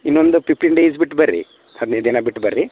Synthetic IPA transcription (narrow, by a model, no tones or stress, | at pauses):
inːond̪upʰipʰʈinɖeːsbiʈːbɐɾːḭ | hɐd̪ned̪inɐbiʈːbɐɾːi